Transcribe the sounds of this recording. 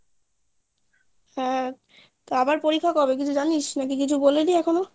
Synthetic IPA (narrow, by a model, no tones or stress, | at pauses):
hɛ̃ | t̪oabaɾpoɾikʰːakɔbekit͡ɕʰud͡ʑaniʃnak̬ikit͡ɕʰuboleliɛkʰono